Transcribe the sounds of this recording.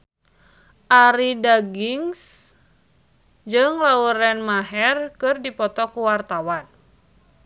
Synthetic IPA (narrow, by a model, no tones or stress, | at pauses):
ʔaɾidaɡiŋs | d͡ʒɨŋlauɾɛnmaɦɛrkɨrdipɔt̪ɔkuwart̪awan